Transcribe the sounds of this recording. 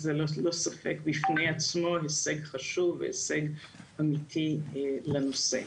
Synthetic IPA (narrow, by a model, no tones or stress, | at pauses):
zelolo̞safḛkbifnejat͡smo̞heseɡχaʃuvːḛhḛse̞ɡʔamitʰilenosḛ